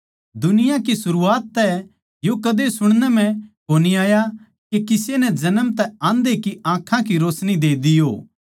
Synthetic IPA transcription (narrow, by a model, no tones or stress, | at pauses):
d̪ʊnɪjãkisʊɾuaːt̪ːɛ | jokɐd̪esʊɽ̃nɛm̤ɛ̃koːniaːja | kekɪsenɛd͡ʒɐnəmt̪ɛãːnd̪ekiãːkʰãkiɾoːsnid̪eːd̪ijoː